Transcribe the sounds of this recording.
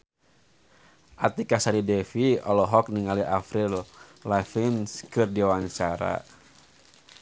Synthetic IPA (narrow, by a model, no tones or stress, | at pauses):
ʔat̪ikasaɾidɛfiɔlɔɦɔk̚niŋaliʔafɾillafinskɨrdiwaɲt͡ʃaɾa̰